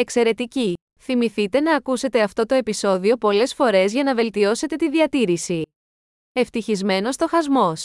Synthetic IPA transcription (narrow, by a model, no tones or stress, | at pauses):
e̞kse̞ɾe̞t̪ici | θimiθit̪e̞nɐːkuse̞t̪e̞ɐft̪o̞t̪o̞e̞piso̞ðio̞po̞le̞sfo̞ɾe̞zʝɐnɐve̞lt̪io̞se̞t̪e̞t̪iðiɐt̪iɾisi | e̞ft̪içizme̞no̞st̪o̞xɐzmo̞s